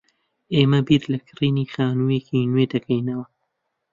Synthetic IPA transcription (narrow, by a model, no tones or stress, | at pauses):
eːmɐbiɾlɐkʰɨriːniːxaːnuːjeːcinwed̪ɐkʰɐjnɐwɐ